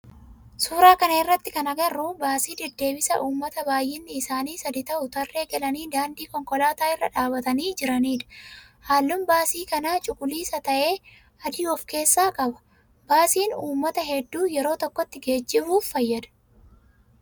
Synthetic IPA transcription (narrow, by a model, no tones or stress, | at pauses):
suːɾaːkɐnɐɪrːɐt̪ːɪkɐnɐɡɐrːubaːsiːd̪ɛd̪ːe̞ːbɪsɐʔuːmːɐt̪ɐbaːjʔɪnːɪːsaːniːsɐd̪ɪt̪ɐʔʊt̪ɐrːe̞ːɡɛlɐniːd̪aːnd̪iːkɔŋkɔlaːt̪aːɪrːɐᶑaːbɐt̪ɐniːd͡ʒɪɾɐniːᶑɐ̥ | haːlːʊmbaːsiːkɐnaːt͡ʃʼʊkʼʊliːsɐt̪ɐʔe̞ː | ɐd̪iːɔfke̞ːsːaːkʼɐbɐ̥ | baːsiːnuːmːɐt̪ɐɦɛd̪ːuːjɛɾo̞ːt̪ɔkːɔt̪ːɪɡe̞ːd͡ʒːɪbuːfːɐjːɐd̪ɐ̥